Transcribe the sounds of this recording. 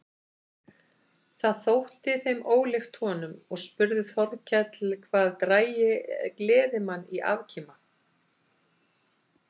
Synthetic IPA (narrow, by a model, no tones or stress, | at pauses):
θaðθowht̪ɪθejmoːwlɪxt̪hɔːnʏmɔɣspʏɾðʏθɔɾcʰɛt̪lkʰvaːðt̪ɾaːjɪklɛːðɪmanːiʔa̰vcʰiːma